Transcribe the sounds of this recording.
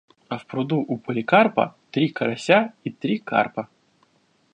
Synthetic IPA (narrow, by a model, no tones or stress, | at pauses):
ɐfpɾʊd̪uʔupəlʲɪkarpɐ̰t̪ɾʲikɐɾɐsʲait̪ɾʲika̰rpɐ